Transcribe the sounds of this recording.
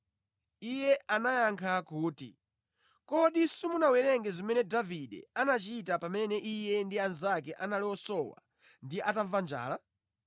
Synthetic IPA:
ijɛanajaŋkʰakuːtḭ | kɔɗisumunawɛɾɛŋɡɛzimɛnɛdaviɗɛ̰anat͡ʃitapamɛnɛʔijɛndianzak̬ɛʔanalɛwɔsɔwa̰ | ndiʔataɱvand͡ʒa̰ːla

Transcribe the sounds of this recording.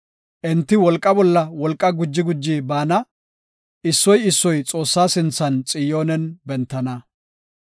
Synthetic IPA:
ʔɛnt̪ːɪwɔlkʼːɐbɔlːɐwɔlkʼːɐɡʊd͡ʒːɪɡʊd͡ʒːiːbaːnɐ | ʔɪsːɔjɪsːɔjt͡sʼo̞ːsːaːsɪnt͡sːɐnt͡sʼɪjo̞ːnɛnbɛnt̪ːɐnɐ

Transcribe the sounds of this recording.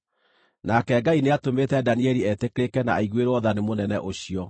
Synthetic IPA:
nakɛɡaineatometɛdaniɛɾiɛtekɾekɛna̰aiɣweɾɔðanemonɛnɛʔoɕiɔ

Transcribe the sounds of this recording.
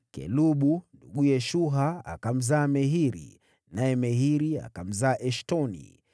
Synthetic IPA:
kɛ̰luɓundṵɡujɛʃuɦaa̰kam̩zaːmɛɦiɾḭ | najɛmɛɦiɾia̰kam̩zaːʔɛʃtɔnḭ

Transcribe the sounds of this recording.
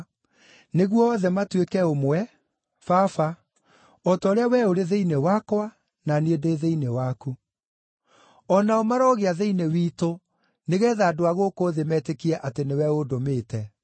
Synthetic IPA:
neɣwɔːðɛmatwekɛomwɛ | fafa | ɔtɔːɾeawɛoɾeðeinewakwa | nanedeðeinewaku | ɔnaɔmaɾɔɣeaðeinewito | neɣɛːðadoaɣokoðemɛtekiɛʔatenewɛodomeːtɛ

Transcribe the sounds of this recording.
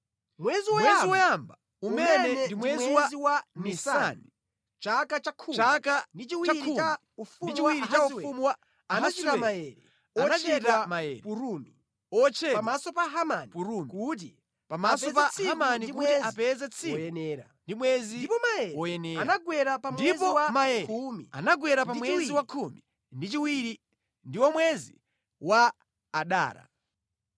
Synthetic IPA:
mwɛziwɔɛziwɔjamba | umɛnɛnɛdimwɛziwaziwamisaani | t͡ʃakat͡ʃakʰut͡ʃakandit͡ʃiwit͡ʃaɾkʰiua | ufuit͡ʃiwwiɾit͡ʃauffumuwa | anasitamajɛɾi | anat͡ʃitamajɛɾuɾumi | ɔt͡ʃʰɛamasɔpaɦamanipuɾuːmkuti | pamasɔpaamanikuɲɛzapɛzɛt͡sʰiɛnɛɾandimwɛziɔmaɛwɔjɛnɛaɾnaɡwɛɾapandiɛzpɔwamajɛːumḭa̰naɡwɛɾap̬amwɛiwakʰumi | ndit͡ʃiwiɾi | ndiwɔmwɛzi | waː | ɗa̰ːɾa̰

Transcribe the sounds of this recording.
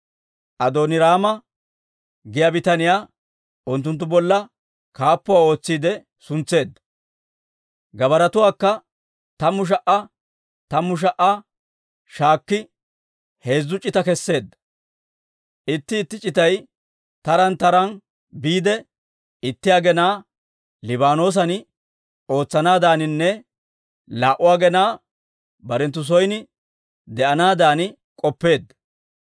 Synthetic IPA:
ʔɐd̪oːnɪɾaːmɐ | ɡɪjɐbɪt̪ɐnɪjaː | ʔʊnt̪ːʊnt̪̬ːʊbɔlːɐ | kaːpːʊwaːo̞ːt͡sːiːd̪ɛ | sʊnt͡sːe̞ːd̪ːɐ̥ | ɡɐβɐɾɐt̪ʊwaːkːɐ | t̪ɐmʊʃ̬ɐʔɐ | t̪ɐmʊʃ̬ɐʔɐ | ʃaːkːɪ | he̞ːzːʊt͡ʃʼɪt̪ɐkɛsːe̞ːd̪ːɐ̥ | ʔɪt̪ːɪːt̪ːɪt͡ʃʼɪt̪ɐj | t̪ɐɾɐnt̪ɐɾɐn | biːd̪ɛ | ɪt̪ːɪjaːɡɛnaː | lɪβaːno̞ːs̬ɐn | o̞ːt͡sːɐnaːd̪aːnɪnːɛ | laːʔʊwaːɡɛnaː | bɐɾɛnt̪ːʊs̬ɔjnɪ | d̪ɛʔɐnaːd̪aːnɪ | kʼɔpːe̞ːd̪ːɐ

